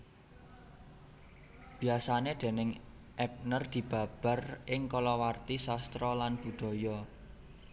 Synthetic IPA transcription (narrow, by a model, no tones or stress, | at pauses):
b̥i̤asaneɖ̪̥e̤nɪŋ | ʔɛp̚nərd̪̥i̤b̥ä̤b̥a̤rʔɪŋkɔlɔwart̪isast̪ɾɔlanb̥ṳd̪̥ɔ̤jɔ